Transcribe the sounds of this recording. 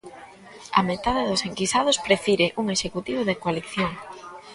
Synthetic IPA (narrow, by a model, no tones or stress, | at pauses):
ɐ̰met̪aðeðʊseŋkisað̞ospɾefiɾeʔuŋeʃekut̪iβoðekoaliθjoŋ